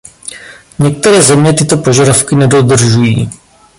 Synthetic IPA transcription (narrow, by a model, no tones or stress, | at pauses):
ɲɛk̚t̪ɛɾɛːzɛmɲɛt̪ɪt̪o̞po̞ʒadafkɪnɛdo̞d̪r̩ʒujiː